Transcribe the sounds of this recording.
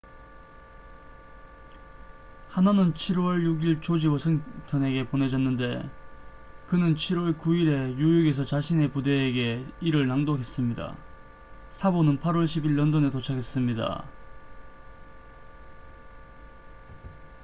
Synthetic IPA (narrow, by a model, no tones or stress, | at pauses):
hananɯnt͡ɕʰiɾwʌɭjuɡiɭt͡ɕod͡ʑiwʌsʰɯŋtʰʌne̞ɡe̞pone̞d͡ʑʌnːɯnde̞ | kɯnɯnt͡ɕʰiɾwʌɭkuiɾe̞jujuɡe̞s̬ʰʌt͡ɕaɕʰine̞pude̞ːɡe̞iɾɯɭnaŋdoɦe̞s͈ɯmɲida̰ | sʰabonɯnpʰaɾwʌɭɕʰibiɭːʌndone̞tot͡ɕʰaɡʰe̞s͈ɯmɲida̰